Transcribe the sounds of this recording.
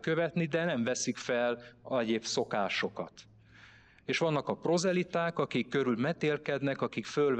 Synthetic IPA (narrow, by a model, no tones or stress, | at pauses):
kø̞vɛt̪nid̪ɛnɛɱvɛsikfɛlɛɟeːpso̞kaːʃo̞kɒ̰t̪ | eːʃʋɒnːɒkɒpro̞zɛlit̪aːkɒkikːø̞ɾylmɛt̪eːlkɛd̪nɛkɒkikføl